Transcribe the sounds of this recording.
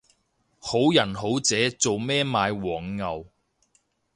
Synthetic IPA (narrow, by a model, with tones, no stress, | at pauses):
ho˨˥wjɐ˨˩nho˨˥wt͡sɛː˨˥t͡so˨wmɛː˥maː˨˧jwɔː˨˩ŋːɐ˨w